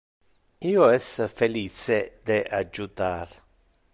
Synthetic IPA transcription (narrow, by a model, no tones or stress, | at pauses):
iːoɛsfeliːt͡ʃed̪eʔad͡ʒut̪aːɾ